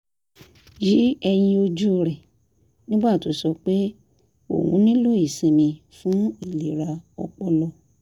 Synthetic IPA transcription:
ji˨˦ɛ˧j̃ĩ˧o˧d͡ʒu˦˧ɾɛ˨ | nĩ˦ɡ͡ba˦˨to˨˦sɔ˧k͡pe˦ | o̰˦˨wṵ̃˨˦nĩ˦lo˦˨i˦˨sĩ˨˧mĩ˧ | fũ˨˦i˦˨li˨ɾa˧ɔ̰˧k͡pɔ˧lɔ˧

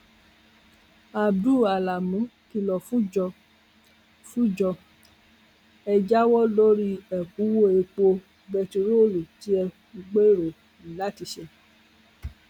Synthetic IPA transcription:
a˨du˦˨a˨la˨mũ˨˦ki˧lɔ˨fũ˦d͡ʒɔ˧ | fũ˦d͡ʒɔ˧ | ɛ˧d͡ʒa˦wɔ˦lo˦ɾi˧ɛ˨ku˨˦wo˦e˧k͡po˧ | ɡ͡bɛ˧to˧ɾo˦o˦˨lu˨ti˦ɛ˧ | u˧ɡ͡be˦˨ɾo˨ | i˨la˨˦ti˧ʃɛ˧

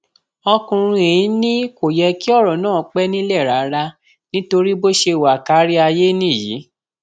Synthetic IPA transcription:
ɔ˧kũ˧ɾũ˧e˨ĩ˨˦nĩ˦ko˨jɛ˧ki˦ɔ˦˨ɾɔ˨nãː˦˨˦k͡pɛ˦nĩ˦lɛ˦˨ɾa˨˦ɾa˧ | nĩ˦to˧ɾi˦bo˦ʃe˧˨wa˨ka˨˦ɾi˦a˧je˦nĩ˦˨jḭ˨˦

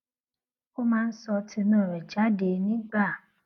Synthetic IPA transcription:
o˦mãː˦˧n̩˦sɔ˧ti˧nũ˦˨ɾɛ˨d͡ʒa˨˦de˧nĩ˦ɡ͡ba˦˨

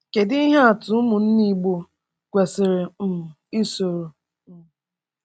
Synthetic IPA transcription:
ke˨dɪ˦i˦ɦe˦a˨tʊ˨˦mʊ˨n̩˦ni˦ɡ͡bo˦ | kʷe˨sɪ˨ɾɪ˨m̩˨i˦so˨ɾo˨˦

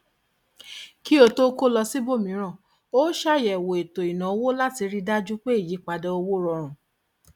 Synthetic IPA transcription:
ki˦o˧to˦ko˦lɔ˧si˦bo˦˨mĩ˨˦ɾ̃ã˦˨ | o˦ʃa˦˨jɛ˨wo˨e˨to˨i˨nã˨o˧wo˦la˦ti˧ɾi˧da˦d͡ʒu˦k͡pe˦i˦˨ji˨˦k͡pa˧dɛ˧o˧wo˦ɾɔ˧ɾ̃ũ˨

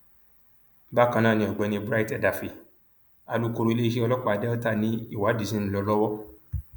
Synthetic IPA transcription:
ba˦kã˧nã˦˨nĩ˧ɔ˨ɡ͡bɛ˨˧nĩ˧bɾa˦i˦tɛ˦˨da˨fi˨ | a˧lu˦ko˧ɾo˧i˧le˦i˦ʃe˦ɔ˧lɔ˦k͡pa˨˧dɛ˦ɔ˦ta˦˨nĩ˨˦i˦˨wa˨˦di˨sĩ˦n̩˨lɔ˧˦lɔ˦wɔ˦

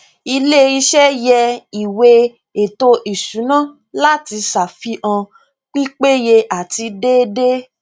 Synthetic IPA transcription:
i˧le˦i˧ʃɛ˦jɛ˧i˨we˧ | e˨to˧ʔi˨sũ˨˦nã˦˨ | la˦ti˧sa˨fi˨˦ʔã˧ | k͡pi˦k͡pe˦je˧ʔa˨ti˧de˦de˦

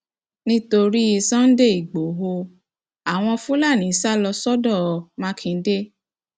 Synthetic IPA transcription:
nĩ˦to˧ɾi˦i˧sã˦n̩˦de˦˨i˨ɡ͡bo˨˦ɦo˧ | a˨w̃ɔ̃˧fũ˦la˦˨nĩ˨˦sa˦˨lɔ˧sɔ˦dɔ˦˨mã˦kʰĩ˨˧n̩˦de˦

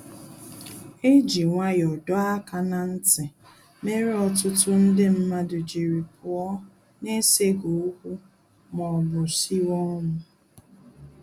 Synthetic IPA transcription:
e˦d͡ʒi˨ŋʷa˦jɔ˨dɔ˦a˦ka˨na˨n̩˦tɪ˨ | me˦ɾi˦ɔ˨tʊ˦tʊ˦n̩˦dɪ˦m̩˦ma˦dʊ˨d͡ʒi˨ɾi˨pʊ˨ɔ˦ | ne˦se˦ɡo˨u˦kʷu˦ | mɔ˨bʊ˨si˦wɔ˦mʊ˨

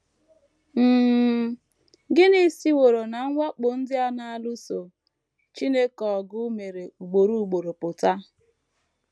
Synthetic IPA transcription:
m̩˦˨ | ɡɪ˦ni˦˨si˦wo˨ɾo˨na˨ŋ̩˦ŋʷa˦k͡pʊ˨n̩˦dɪ˦a˦na˨a˦˨lʊ˦so˨ | t͡ʃi˦ne˦kɔ˨ɡʊ˦me˨ɾe˨u˨ɡ͡bo˨ɾu˦u˦˨ɡ͡bo˨ɾo˨pʊ˨ta˦

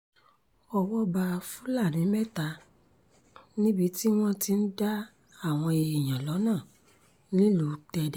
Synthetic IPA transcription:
ɔ˧˨wɔ˦ba˧fũ˦la˦˨nĩ˨˦mɛ˦ta˧ | nĩ˦bi˧˦ti˦w̃ɔ̃˦ti˧n̩˦da˦ | a˦˨w̃ɔ̃˧e˧i˨j̃ã˨lɔ˨˦nãː˦˨ | nĩ˦lu˨˧˦tɛ˧dɛ˨

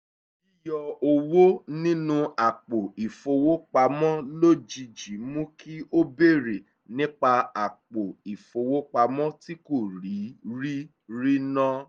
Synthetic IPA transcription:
i˦jɔ˧o˧wo˦nĩ˦nũ˦a˨k͡po˨i˨fo˧wo˦k͡pa˧mɔ̃˦lo˦d͡ʒi˧d͡ʒi˨˦mũ˦kʰi˦ʔo˦be˦˨ɾe˨ | nĩ˦k͡pa˧a˨k͡po˨i˨fo˧wo˦k͡pa˧mɔ̃˦ti˦ko˦˨ɾi˨˦ɾi˦ | ɾi˦nã˦

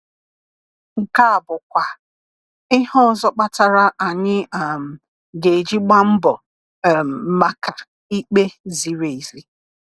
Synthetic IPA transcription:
ŋ̩˨ka˦a˨bʊ˨kʷa˨ | ɪ˦ɦɔ˦ɔ˨zɔ˦k͡pa˦ta˨ɾa˨ʔa˨ɲɪ˦˨m̩˨ | ɡe˨d͡ʒi˦ɡ͡ba˦m̩˦bɔ˨ | m̩˨˦ma˦ka˨ | i˦k͡pe˦zi˨ɾe˨i˨zi˦

